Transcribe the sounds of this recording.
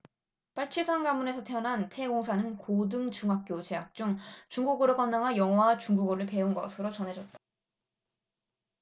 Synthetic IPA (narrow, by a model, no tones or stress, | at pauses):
p͈aɭt͡ɕʰisʰaŋɡamune̞sʰʌtʰe̞ʌnɦantʰe̞ɡoŋsʰanɯnkodɯŋt͡ɕuŋɦak̚k͈jot͡ɕe̞ɦak̚t͡ɕ͈uŋt͡ɕuŋɡuɡɯɾokʌnːaŋɦanjʌŋwat͡ɕuŋɡuɡɯɾɯɭpe̞unɡʌsʰɯɾot͡ɕʌnɦe̞d͡ʑʌt̚t͈ḁ